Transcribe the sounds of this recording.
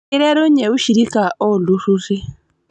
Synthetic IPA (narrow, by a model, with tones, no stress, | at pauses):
i˦ɾe˦ɾo˦ɲe˨u˦ʃi˨ɾi˦ka˨ʔo˦˨lususi˦